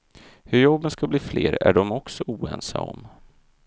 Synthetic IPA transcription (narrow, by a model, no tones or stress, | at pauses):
hɵɾjɔbːənskabliːfleːɾæɖɔmɔksɔuːɛnsaɔm